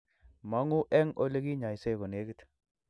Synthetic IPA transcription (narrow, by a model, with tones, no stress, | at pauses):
ma˦ŋu˦ʔɛ˦ŋo˦le˦ki˦ɲa˨jse˦˨ko˨ne˨˦kɪ˦t